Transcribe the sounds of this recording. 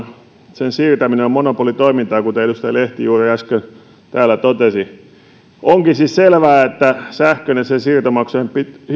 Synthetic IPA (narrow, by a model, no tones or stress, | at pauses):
sensiːrt̪æmineommonopolit̪oimint̪ɑːkut̪eeɾust̪ɑjɑleht̪ijuːriæskøn | t̪æːlːˑæt̪ot̪esi | oŋkisisselʋæːet̪ːæsæhkønesesiːrt̪omɑksempit̪